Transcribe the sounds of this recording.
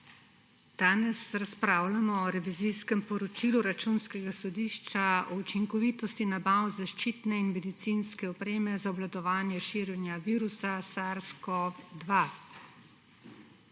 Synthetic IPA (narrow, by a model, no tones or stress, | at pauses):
d̪̥aːnɛsɾaspɾaːwlamɔːɾɛʋiziskɛmpɔɾɔt͡ʃiːluɾat͡ʃunskɛɡasɔd̪iːʃt͡ʃaɔut͡ʃiŋkɔʋiːt̪ɔst̪inabawzaʃt͡ʃiːt̪nɛinmɛd̪it̪sinskɛɔpɾeːmɛzaɔblad̪ɔʋaːnjɛʃiːɾjɛnjaʋiːɾusasaɾskɔvd̪ʋa